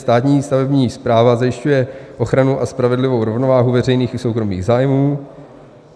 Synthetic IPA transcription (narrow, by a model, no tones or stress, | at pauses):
st̪aːt̪ɲiːst̪avɛbɲiːspɾaːvazajɪʃcujɛʔo̞xɾanuʔaspɾavɛdlɪvo̞wɾo̞vnovaːɦuvɛr̝ɛjniːxɪsowkɾo̞mḭːɣzaːjmuː